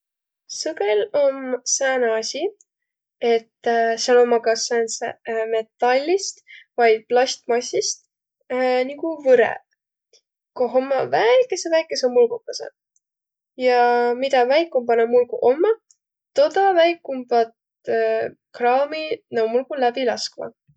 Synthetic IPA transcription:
sɤɡelomsæːnɑsʲi | e̞t̪ːsɑlo̞mːɑkɑsænsḛme̞t̪ːɑlʲːist̪vɑjd̪̥̚plɑsʲt̪mɑsʲːist̪ | niɡuvɤɾḛ | koɦomːɑvæjkːˑesevæjkːˑeseomulɡukːɑsḛ | jɑmid̪̥ɑvæjkːumbɑnɑmulɡṵʔo̞mːɑ | t̪o̞d̪ɑvæjkːumb̥ɑt̪ | krɑːminɑumulɡulæb̥ilɑskmɑ̰

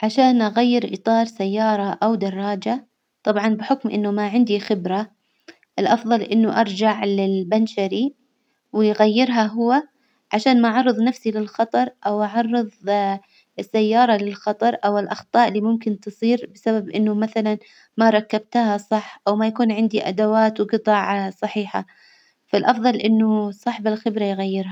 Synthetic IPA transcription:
ʕaʃaːnʔaɣajːɪɾʔɨt̪ˤɑːɾˤsajːɑːɾˤɑʔawd̪ɑrˤːɑːd͡ʒa | t̪ˤɑbʕɑnbɪħʊkmʔɪ̰nːʊmaʕɪnd̪ixɪbɾa | ʔɪlʔɑfðˤɑlʔɪnːʊʔɑɾˤd͡ʒaʕlɪlbanʃaɾi | wɪjɣajːɪɾɦaɦʊwːa | ʕaʃaːnmaʔʕɑrˤːɨðˤnafsilɪlxɑt̪ˤɑɾˤʔawʔɑʕɑrˤːɨðˤ | ɪsːajːɑːɾˤɑlɪlxɑt̪ˤɑɾˤʔawɪlʔɑxt̪ˤɑːʔɪlːiːmʊmkɪnt̪ɨsˤiːɾbɪsababʔɪnːʊmaθalan | maɾˤɑkːab̚t̪ahasˤɑħʔawmajakuːnʕɪnd̪iʔa̰d̪awaːt̪wqɨt̪ˤɑːʕsˤɑħiːħa̰ | falʔɑfðˤɑlʔɪnːʊsˤɑːħɪbɪlxɪbɾajɣajːɪɾha

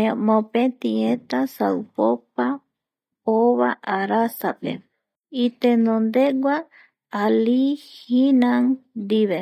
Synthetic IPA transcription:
mõpẽt̪iẽt̪asawpopa | oβaʔaɾasapḛ | it̪enõnd̪eɡʷa | alihinãŋd̪iβe

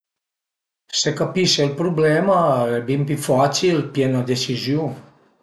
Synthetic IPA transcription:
sekapiʃelpɾublemaebimpifat͡silpjenad̪esiziu

